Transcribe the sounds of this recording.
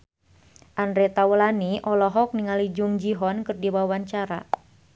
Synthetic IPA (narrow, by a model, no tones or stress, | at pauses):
ʔandɾɛt̪awəlaniʔɔlɔɦɔk̚niŋalid͡ʒuŋd͡ʒiɦɔnkɨrdiwawaɲt͡ʃaɾa̰